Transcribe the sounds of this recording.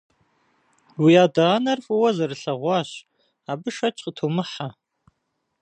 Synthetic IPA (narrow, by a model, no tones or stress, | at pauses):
wijaːdanɐrfʼɨwɐzɐrɨɬɐʁʷɑːɕ | aːbɨʂɐt͡ʃʼqətʰoːmɨħa